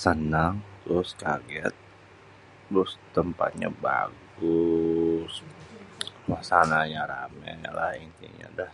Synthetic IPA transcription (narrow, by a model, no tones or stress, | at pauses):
sənaŋt̪ʊskaɡɛt̪̚ | ɾʊst̪əmpat̪̚ɲa̰ba̰ɡʊ | s | wahsanaɲaɾamɛlahint̪ḭɲa̰dah